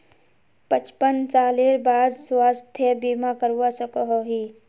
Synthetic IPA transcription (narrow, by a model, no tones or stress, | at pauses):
pət͡ʃpənt͡ʃaːleɾbaːd̪swaːst̪ʰjəbimakəɾwasəkəɦoɦi